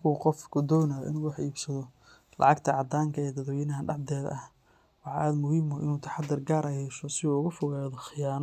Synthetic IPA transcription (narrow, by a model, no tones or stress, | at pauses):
mkʰuːqɔfkʰʊd̪ɔːnajɔ̰ʔɪ̰nuːwɑħiːbsɐðɔ | lɑ̰ʕɑɡt̪ʰɐʕɑd̪aːŋkʰɐɛːd̪ɐðɔjɪnɐɦɐɖɑʕd̪ɛːðɐh | wɑħʔaːd̪mʊhiːmɔʔɪ̰nuːt̪ʰɐ̥ħɑd̪ɪrɡaːɾʔɐjhɛʃɔsɪuːʊɣʊfʊɣaːðɔxɪjaːnɔ